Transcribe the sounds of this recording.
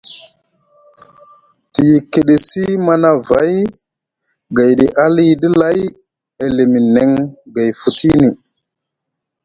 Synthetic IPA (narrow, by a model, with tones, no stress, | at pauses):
ti˨ji˨kːe˨ɗe˨si˦ma˦na˦va˨˦j | ɡa˨jɗi˨ʔa˦li˦di˦la˦j | e˨le˨mi˨ne˨ŋɡa˨jfu˨tʰi˦ni˨